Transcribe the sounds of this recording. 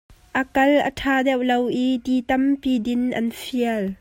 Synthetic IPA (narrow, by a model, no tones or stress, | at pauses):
ʔəkɐlʔə̰tʰaːdɛwlowʔidiːt̪ɐmpiːdɪnʔɐ̰nfiəl